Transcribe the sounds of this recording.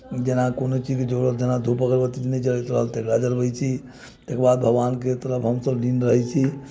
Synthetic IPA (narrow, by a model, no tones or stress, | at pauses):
d͡ʒenakonot͡ʃid͡ʒked͡ʒoɾəld͡ʒenad̪ʱupəkəɾbət̪it͡ʃnɛd͡ʒəɾəjt̪ɾəɦəlt̪ekɾad͡ʒəɾbəjt͡ʃʰi | t̪ekebad̪̚bʱəɡbanket̪əɾəpʰɦəmsəblinɾəɦɛt͡ʃʰi